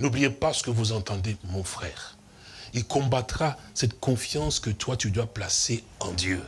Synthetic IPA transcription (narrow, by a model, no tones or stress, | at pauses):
nublijepasə̥kəvuzɑ̃t̪ɑ̃d̪emɔ̃fχɛːʁ | ilkɔ̃bat̪ʁa | sɛt̪kɔ̃fjɑ̃skət̪wat̪yd̪waplase | ɑ̃d̪jø